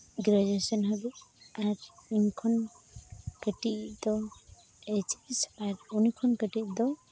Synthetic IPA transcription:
ɡɾad͡ʒesɔnɦaɡ̪uaɾunkʰɔn | kəʈiʔd̪ɔ | et͡ʃisaɾunikʰɔnkəʈiʔ̚d̪ɔ

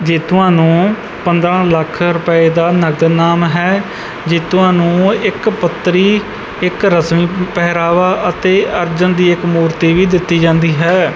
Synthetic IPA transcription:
d͡ʒeːt̪ʊãːnũː | pənd̪ɾãːləkʰɾʊpəeːd̪aːnəɡd̪naːmɦɛː | d͡ʒɪːt̪ʊãːnũːɪkpət̪ːɾiː | ɪkɾəsmiːpɛːɦɾaːʋaːʔət̪eːəɾd͡ʒənd̪iːɪkmuːɾt̪iːʋiːd̪ɪt̪ːiːd͡ʒãːnd̪iːɦɛː

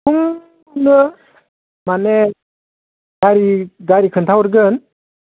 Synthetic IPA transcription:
uŋ | nɯ | mane | ɡaɾiɡaɾikʰɯnt̪ʰawɯɾɡɯn

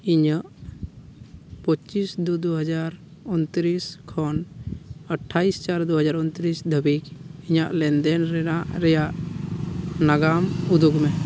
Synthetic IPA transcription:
iɲəʔ | pət͡ʃisd̪ud̪uɦəd͡ʒaɾ | unt̪ɾiskʰɔnəʈʰːaist͡ʃaɾd̪uɦəd͡ʒaɾunt̪ɾisd̪ʱəbikiɲaʔlɛnd̪ɛnɾɛnaʔɾɛjaʔ | naɡamud̪uɡmɛ

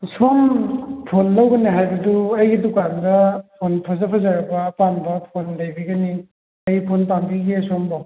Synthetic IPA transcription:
sompʰonlawɡɐniɦajbɐduɐjɡidukandɐpʰonpʰɐzɐpʰɐzaɾɐbɐpanbɐpʰonlɐjbiɡɐni | ɐjpʰonpambiɡesomba

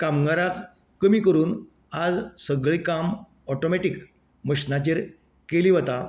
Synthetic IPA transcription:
kamɡaɾak | kːəmiːkəɾuːn | ad͡zsəɡɭikam | ɔʈomeʈik | məɕnat͡ɕeɾ | keliʋət̪a

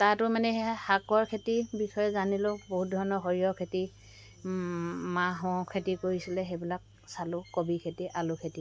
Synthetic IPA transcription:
tatʊmanɛhakɔɹkʰetibixɔjɛzanilʊ̃boɦut̚dʱɔɹɔnɔɦoɹijɔkʰeti | maɦɔ̃kʰetikoɹisilɛxebilak̚ | salʊkobikʰetiʔalʊkʰeti

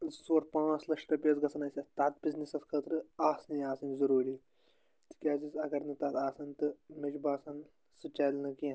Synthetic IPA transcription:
soːɾpãːt͡slɐʂʈɐpʲet͡sɡɐsɐnɐːsʲɐt̪at̪̚biznisɐskʰəːt̪ɾɨaːsnijaːsɐnzɐɾuːɾiː | t̪i̥kʲaːzisɐɡɐɾnɨt̪ɐt̪aːsɐnʲt̪ɨmed͡ʒbaːsɐn | sut͡ʃaːlnɐkĩ

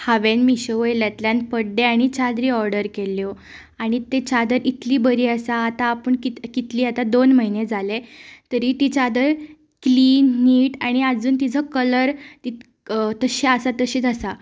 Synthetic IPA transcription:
haʋenmiɕeʋojljat̪ljanpəɽɖeaɽ̃it͡ɕad̪ɾiːɔɾɖəɾkelːjo | aɽ̃it̪et͡ɕad̪əɾit̪liːbəɾiːasaːt̪aːpəɳkit̪kit̪liːat̪ad̪onməɦined͡zʱalet̪əɾiːt̪it͡ɕad̪əɾ | kliːnːiːʈaɽ̃iad͡zuːnt̪id͡zʱəkələɾt̪i | t̪əɕeasat̪əɕiːt͡sasa

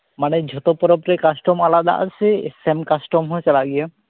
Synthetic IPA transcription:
manɛd͡ʒʱɔt̪ɔpɔɾɔpɾɛkasʈɔmalad̪a̰ʔa̰sʰeḛsemkasʈɔmɦojsalaɡijɛ

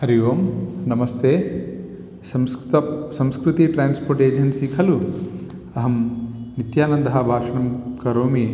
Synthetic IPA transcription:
ɦɐɾiʋoːmnɐmɐst̪ʰeː | sɐmsɐmskɾut̪iʈɾaːnspoːɾʈeːd͡ʒɐnsikʰɐlu | ɐɦɐmnit̪jaːnɐnd̪ɐɦɐ̆bʱaːʂɐɳɐmkɐɾoːmi

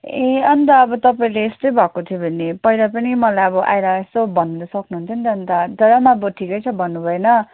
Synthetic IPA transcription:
ẽʌnt̪ʌːbʌt̪ʌpaĩleːst̪ʌjbʱʌkot̪ʰijobʱʌnːepʌilapʌnimʌlajʌbʌʔa̰jɾʌesobʱʌnːud̪ʌsʌknuɦunt̪ʰʌnt̪ʌːnt̪ʌd̪ʌɾʌmaʌbʌʈʰikʌjt͡sʰʌbʱʌnːubʱʌenʌ

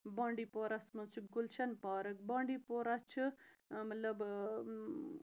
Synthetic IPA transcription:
bãːɳɖiːpoːɾɐsmɐt͡ʃʰɨɡulʃɐnpaːɾɐk̚bãːɳɖiːpoːɾɐt͡ʃʰɨmɐt̪lɐb

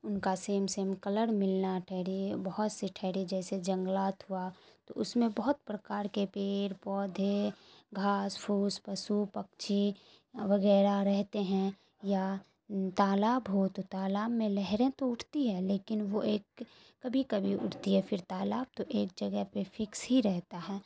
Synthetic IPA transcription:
ʊnkaseːmseːmkɐləɽmɪlnaʈʰɛɦɽibəɦɔt̪seʈʰɛɦɽid͡ʒɛːsed͡ʒə̃ŋɡlaːt̪ɦuat̪o̰ʔʊsmẽbəɦʊt̪̚pɾəkaːɾkepeːɾpɔːd̪ʱeɡʱaːspʰuːspɐsupɐkt͡ʃʰi | ʋəɣɛːɾaɾɛɦt̪eɦɛ̃ | ja | t̪aːlaːbɦot̪ot̪aːlaːbmẽlɛɦɾẽt̪oʊʈʰt̪iɦɛleːkɪnʋoeːkː | ɐbʱikɐbʱiʔʊ̰ʈʰt̪iɦɛfɪɾt̪aːlaːb̚t̪oʔeːk̚d͡ʒɐɡəɦpefʰɪksɦiɾɛɦt̪aɦɛː

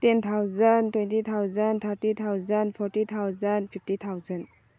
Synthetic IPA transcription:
tent̪ʰawzantwentit̪ʰawzant̪ʰaɾtit̪ʰawzanpʰɔɾtit̪ʰawzanpʰip̚tit̪ʰawzɐn

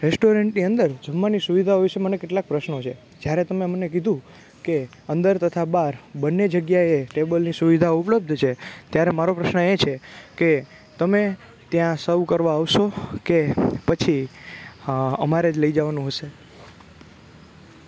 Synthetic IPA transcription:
ɾesʈoɾeɳʈniənd̪əɾd͡ʒəmːanisuʋid̪ʱaɦojʃemənekeʈlak̚pɾəʃnot͡ʃʰe | d͡ʒjaɾet̪əmemnek̬id̪ʱũ | ke | ənd̪əɾt̪ət̪ʰabaɾbənːed͡ʒəɡjaeʈebəlnisuʋid̪ʱaupləb̚d̪ʱt͡ʃʰet̪jaɾemaɾopɾəʃnəet͡ʃʰeke | t̪əme | t̪jãsəʋkəɾʋaaʋʃokepət͡ʃʰi | ə̰maɾed͡ʒləid͡ʒaʋanũɦəʃe

